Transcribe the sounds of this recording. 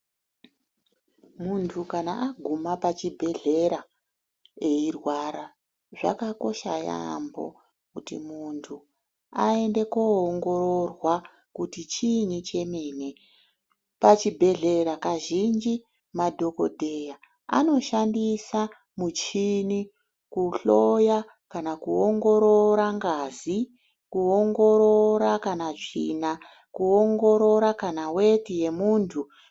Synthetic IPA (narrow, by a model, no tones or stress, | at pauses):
muntʰukanaʔaɡʱumapat͡ʃibʱe̞ɮe̞ɾa | e̞irwaɾa | ʐa̰kako̞ʃaja̰mbo̞̰ | kutḭmuntʰu | aende̞koːŋɡo̞rorwa | kutit͡ʃinit͡ʃe̞miːne | pat͡ʃibʱe̞ɮe̞ɾakaʒind͡ʒi | madʱo̞ko̰dʱeja | a̰no̞ʃandisa | mut͡ʃini | kuɬo̞ja | kanakuoŋɡo̞ɾoɾaŋɡaːzi | kuo̞ŋɡo̞ɾoɾakanaʐḭna | kuoŋɡo̞ɾo̞ɾakanawetije̞muːntʰu